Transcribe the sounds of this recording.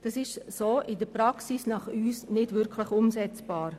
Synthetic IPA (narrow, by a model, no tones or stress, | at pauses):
d̥ɑsɪʃsoːʔɪdəpɾɑksisnɑχyːsnɪdʋɪɾkʰlɪχʊmsɛt͡sb̥aːɾ